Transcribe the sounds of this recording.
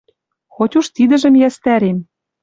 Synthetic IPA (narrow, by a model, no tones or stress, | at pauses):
xot̪ʲuʃt̪id̪ɘ̆ʒə̆mjæst̪æɾem